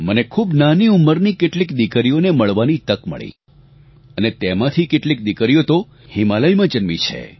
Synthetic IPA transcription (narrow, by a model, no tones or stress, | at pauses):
mənekʰubnaniumːəɾnikeʈlikd̪ikɾijoneməɭʋanit̪əkmə̰ɭḭ | ənet̪emãt̪ʰikeʈlik̚d̪ikɾijot̪o | himaləjmãd͡ʒənmḭt͡ʃʰḛ